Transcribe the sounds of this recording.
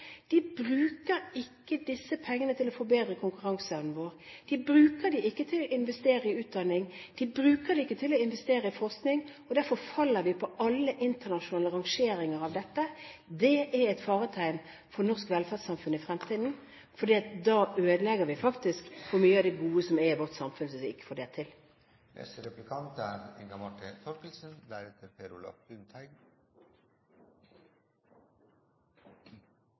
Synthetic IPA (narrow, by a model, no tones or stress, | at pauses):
d̪̥ɪbʁʉːkəɾɪkːəd̪ɪsːəpʰɛŋːənət̪ʰɪlɔfoːbeːd̪ɾəkʰʊŋkʉʁɑŋsɑʉn̩ʋoːʁd̪̥ɪbɾʉːkəd̪ɪʔɪkːət̪ʰɪlɔɪnʋɛst̪eːɾəɪʉːt̪̚d̪ɑnɪŋd̪̥ɪbɾʉːkəd̪ɪɪkːət̪ʰɪlɔɪnʋɛst̪eːɾəɪfɔʁsknɪŋɔd̪æɾfɔfɑlːəɾʋɪpʰɔʔɑlːəʔɪnt̪əʁnɑʃʊnɑːləʁɑŋʂeːɾɪŋəʁɑʋd̪ɛt̪ːəd̪ɛʔɛɾɛɪt̪fɑːʁət̪ʰæɪm | fɔʁnɔʁskʋɛlfædsɑmfʉnəɪfʁɛmt̪ʰiːd̪n̩ | fɔd̪iːɑt̪̚d̪ɑːʔøːd̪əlɛɡəɾʋɪfɑkt̪ɪskʋʊmyːəɑʋd̪ɛɡuːəsɔmɛʋɔʁt̪sɑmfʉnsəsɪkːə̥fɔɖeːʁt̪ʰɪl | nʔɛ̰st̪əɾɛplɪkʰɑnt̪æɾɛŋɡɑmɑʈʰət̪ʰɔpɪlsənd̪æɾɛt̪ʰəɾpʰeːɾʊlɔ̰fʉnt̪ʰæɪɡ